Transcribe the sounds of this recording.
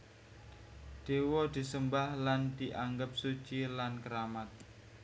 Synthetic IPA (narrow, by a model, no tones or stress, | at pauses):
d̪̥ewɔd̪̥i̤səmbahland̪̥iʔaŋɡəp̚su̥ʒ̥ilankəɾamat̪̚